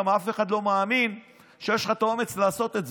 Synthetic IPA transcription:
amafe̞χadlo̞maːmin | ʃejeʃlat̪aome̞t͡slaːso̞t̪e̞tz

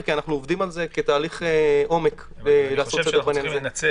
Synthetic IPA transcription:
kianaχnuovd̪imalze̞ket̪aːliχeʔo̞mek | laːsosed̪ebananze

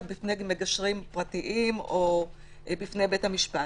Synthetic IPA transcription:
bifnemeɡaʃʁimpʁatiʔimo | bifne̞jbethamiʃpa

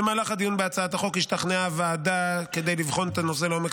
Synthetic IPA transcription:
emaːlaχad̪ijunbeat͡saat̪aχo̞khiʃt̪aχneavaːd̪ake̞d̪ejlivχo̞net̪ano̞se̞leomek

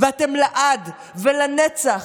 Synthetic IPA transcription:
veatemlaʔad̪ | velanet͡saχ

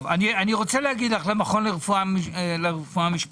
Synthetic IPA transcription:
vanianiʁo̞t͡selehaɡid̪laχlemaχo̞nleʁefualeʁefuamiʃp

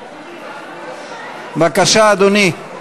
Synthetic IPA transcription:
bɐkɐʃaːd̪uni

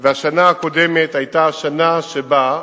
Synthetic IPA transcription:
veaʃanaako̞de̞me̞thajtaːʃanaʃeba

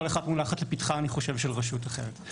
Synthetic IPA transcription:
oleχad̪mulaχatlepitχaːniχo̞ʃevʃelʁaʃutaχḛʁet̪

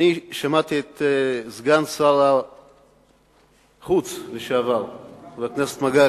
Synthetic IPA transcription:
niʃamat̪iet̪zɡansala | χut͡sveʃeavalveakneset̪maɡa

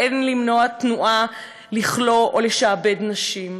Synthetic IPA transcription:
enlimnoat̪nuʔa | liχlo̞ʔoleʃaːbed̪naʃim

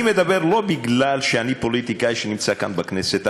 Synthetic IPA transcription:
imed̪abe̞ʁlo̞biɡlalʃeanipo̞lit̪ikaiʃenimt͡sakanbakneset̪a

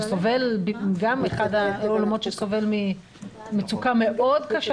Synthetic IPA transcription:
sove̞lbɡameχadaolamo̞tʃesove̞lmi | met͡sukame̞ʔo̞dkaʃ

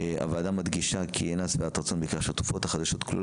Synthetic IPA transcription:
a̰valad̪amːad̪ɡiʃakʰienat͡sveat̪aʁt͡sonbeikaʁʃat̪u̥fo̞t̪haχad̪aʃo̞t̪klṵl

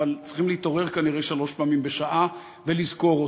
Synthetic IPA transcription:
alt͡sʁi̥χimleit̪o̞ʁe̞ʁkaniʁeʃalo̞ʃpaːmimbeʃaʔa | ve̞lizko̞ʁo

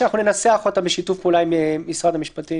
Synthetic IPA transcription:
anaχnunenaseaχo̞tambeʃitufkulajimemisʁad̪amiʃpati

